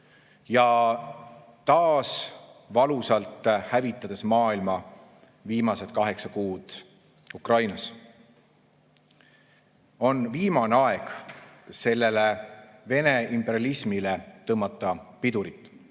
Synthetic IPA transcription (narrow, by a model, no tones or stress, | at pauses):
jɑ | t̪ɑːsvɑlusɑlt̪ːˑhævit̪ːˑɑd̪̥e̞smɑːilmɑ | viːmɑset̪kɑɦe̞ksɑkuːd̪̥ | ukrɑjnɑs | o̞nviːmɑneɑeɡ̥se̞lːe̞leve̞neimpːˑe̞ɾjɑlismilet̪ɤmːɑt̪ːˑɑpid̪uɾit̪ːˑ